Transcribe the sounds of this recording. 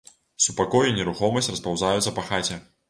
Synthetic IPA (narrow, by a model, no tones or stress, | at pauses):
supakɔjunʲɛɾuxɔmɐsʲtʲrɐspawzajut̪sɐpaxat͡sʲɛ